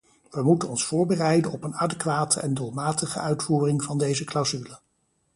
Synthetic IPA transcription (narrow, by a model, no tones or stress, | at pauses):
ʋəmutənɔnsfʊːɹbərɛjdənɔpənaːdɛkʋaːtʰə̰ʔɛndulˠmaːtəχə̰œɥtfuːrɪŋvɑndejzəklawzylə